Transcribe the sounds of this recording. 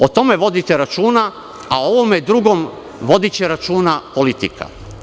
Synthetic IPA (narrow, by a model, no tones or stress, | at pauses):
o̞t̪o̞me̞ʋo̞d̪it̪eɾat͡ʃuːna | ao̞ʋomed̪ɾuɡo̞m | ʋo̞d̪it͡ɕe̞ɾat͡ʃuːnapo̞lit̪ikʰa̰